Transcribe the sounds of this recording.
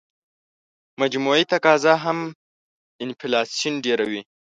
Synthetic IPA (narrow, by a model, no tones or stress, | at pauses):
mad͡ʒmuit̪akɑzaɦam | ɪnfilɑsijunɖeɾawi